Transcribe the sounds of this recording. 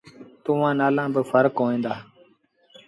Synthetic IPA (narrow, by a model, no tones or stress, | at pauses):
t̪ʊʋãːnaːlãːbəfʰəɾkɦoːẽːnd̪aː